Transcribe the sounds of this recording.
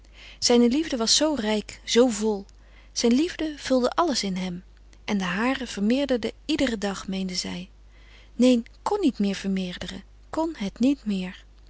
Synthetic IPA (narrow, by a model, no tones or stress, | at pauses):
z̥ɛjnəlivdəʋɑsːowrɛjkz̥owvɔlˠ | z̥ɛjnlivdəv̥ɵlˠdəʔɑləsɪnɦɛm | ʔɛndəɦaːrəv̥əɹmɪːɹdəɹdəidərədɑχmejndəzɛ̰j | nejn | kɔnːitmɪːɹv̥əɹmɪːɹdərə̰ | kɔnɦɛtnitmɪːɹ